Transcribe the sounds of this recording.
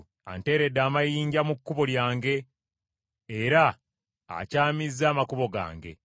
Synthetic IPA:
a̰nte̞ːɾe̞dːaːmajiːɲɟamukːuβo̞ljaːŋɡe̞ | ɾa | a̰caːmizːaːmakuβo̞ɡa̰ːŋɡe̞̰

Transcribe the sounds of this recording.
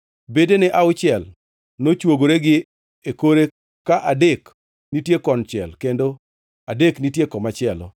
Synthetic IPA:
bedenɛʔaʊt͡ʃɪɛl | not͡ʃwoɡoɾeɡɪ | ekoɾe | kaʔadek | nitjekɔnt͡ʃɛ̰lkendo | adeknitjekɔmat͡ʃɪɛlɔ̰

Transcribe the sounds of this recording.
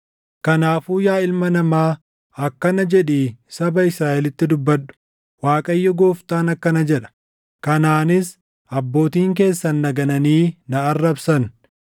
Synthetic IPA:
kɐnaːfuːjaːɪlmɐnɐmaː | ɐkːɐnɐd͡ʒɛᶑiːsɐbɐɪsɾaːʔɛlɪt̪ːɪd̪ʊbːɐᶑʊ̥ | waːkʼɐjːɔɡoːft̪aːnɐkːɐnɐd͡ʒɛᶑɐ̥ | kɐnaːnɪs | ʔɐbːo̞ːt̪iːŋk̬e̞ːsːɐnːɐɡɐnɐniːnɐːrːɐbsɐn

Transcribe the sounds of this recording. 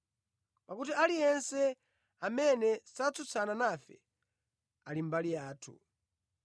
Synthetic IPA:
pakut̬ialijɛnsɛ | amɛnɛsat͡sut͡sʰananafɛ̰ | alim̩balijaːtʰṵ

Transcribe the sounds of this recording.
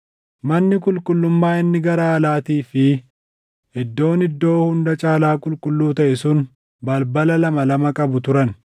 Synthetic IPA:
mɐnːɪkʊlkʼʊlːʊmːaːɪnːɪɡɐɾaːlaːt̪iːfɪ | ɪd̪ːo̞ːnɪd̪ːo̞ːhʊnd̪ɐt͡ʃʼaːlaːkʼʊlkʼʊlːuːt̪ɐʔɛsʊn | bɐlbɐlɐlɐmɐlɐmɐkʼɐbʊt̪ʊɾɐn

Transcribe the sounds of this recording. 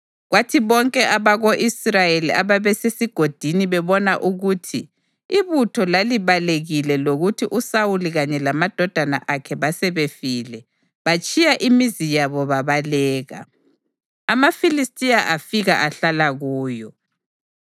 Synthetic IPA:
ɣwatʰiβɔŋkʼɛʔaβaɣoʔisrajeliaβaβɛsesiɡ̥ʱod̥ʱiniβɛβɔnaʔuɣuːtʰi | iβutʰɔlaliβaleɣilɛloɣutʰiʔusawuliɣaɲɛlamad̥ʱɔd̥ʱana̰ʔakʰɛβasɛβefilɛ | βat͡ʃʼijaʔimizijaβɔβaβalɛːɣa̰ | amafilistʼijaʔafiɣa̰ʔaɬalaɣuːjɔ

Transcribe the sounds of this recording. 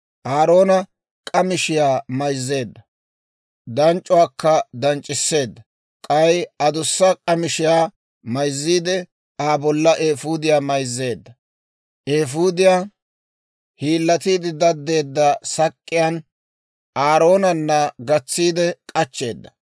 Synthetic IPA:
ʔaːɾo̞ːnɐ | kʼɐmɪʃɪjaːmɐjzːe̞ːd̪ːɐ | d̪ɐnt͡ʃʼːʊwaːkːɐd̪ɐnt͡ʃʼːɪsːe̞ːd̪ːɐ | kʼɐjɐd̪ʊsːɐkʼɐmɪʃɪjaː | mɐjzːiːd̪ɛ | aːbɔlːɐʔeːfuːd̪ɪjaːmɐjzːe̞ːd̪ːɐ | ʔeːfud̪ɪjaː | hiːlːɐt̪iːd̪ɪd̪ɐd̪ːe̞ːd̪ːɐsɐkʼːɪjan | aːɾo̞ːnɐnːɐɡɐt͡sːiːd̪ɛkʼɐt͡ʃːe̞ːd̪ːɐ

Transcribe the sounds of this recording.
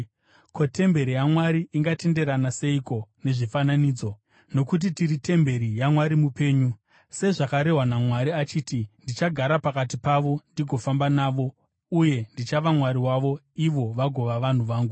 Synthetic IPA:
kʰote̞mbe̞ɾijamwaɾiʔiŋɡate̞nde̞ɾanase̞iko̞ne̞ʐifananiːd͡zo̞ | no̞kut̬itiɾite̞mbe̞ɾijamwaɾimupe̞ːɲu | se̞ʐakaɾe̞ɦwanamwaɾiat͡ʃiːtindit͡ʃaɡʱaɾapakatipaʋo̞ndiɡʱo̞fambanaːʋo̞ | uje̞ndit͡ʃaʋamwaɾiwaʋo̞ | iʋo̞ʋaɡʱo̞ʋaʋan̤uʋaːŋɡu

